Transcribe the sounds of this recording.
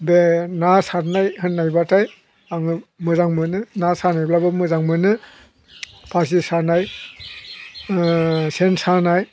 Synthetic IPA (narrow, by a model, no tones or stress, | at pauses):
benasaɾnajhɯnːajbataj | aŋɯmɯzaŋmɯnɯnasanajblabɯmɯzaŋmɯnɯ | pʰas̬isanaj | sensanaj